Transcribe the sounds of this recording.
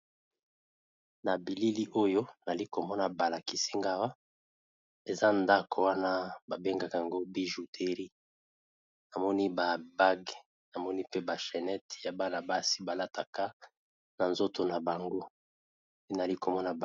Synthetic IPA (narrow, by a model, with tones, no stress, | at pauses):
na˨bi˨li˦li˦ʔo˦jo˦na˨li˦ko˨mɔ˦na˨ba˨la˨ki˨si˦ŋɡa˦wa˦ | e˨za˦nda˦ko˨wa˦na˦ba˨be˦ŋɡa˨ka˨a˨ŋɡo˦bi˦ʒu˨tʰe˨˦ʁi˦ | na˨mɔ˦ni˦ba˨ba˦ɡ | na˨mɔ˦ni˦pe˦ba˨ʃɛ˨nɛ˦tja˨ba˦la˨ba˦si̥˦ba˨la˦tʰa˨ka˦ | na˨nzo˦to˨na˨ba˨ŋɡo˦ | e˦n˨a˨li˦ko˨mɔ˦na˨b